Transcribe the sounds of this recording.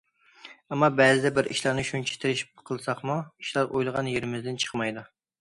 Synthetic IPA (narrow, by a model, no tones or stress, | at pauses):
ɛmːɑbɛːzɪd̪ɛbɪɾʔḭʃlˠɑɾnɨʃunt͡ʃʰɛ̥t̪ʰeɾɪʃpqʰəlˠɨsɑχmuiʃlˠɑɾʔojlˠəʁɑnjeɾɪmɪzd̪ɪnt͡ʃʰə̥χmɑjd̪u